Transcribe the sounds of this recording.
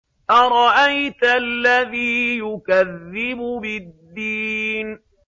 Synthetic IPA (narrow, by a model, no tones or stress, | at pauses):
ʔaɾˤɑʔajt̪alːaðiːjʊkaðːɪbʊbɪd̪ːiːn